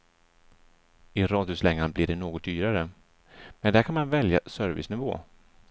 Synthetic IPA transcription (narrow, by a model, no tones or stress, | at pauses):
ɪɾɑːd̪jʊslɛŋːanblɪɖɛnoːɡɔt̪̚d̪yːɾaɾə | mɛnd̪æɾkʰanmanvɛljasœɾvɪ̰snɪvo̰ː